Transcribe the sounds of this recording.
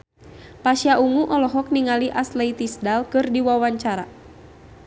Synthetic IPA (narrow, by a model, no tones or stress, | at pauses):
paʃiaʔuŋuʔɔlɔɦɔk̚niŋaliʔaslait̪isdalkɨrdiwawaɲt͡ʃaɾa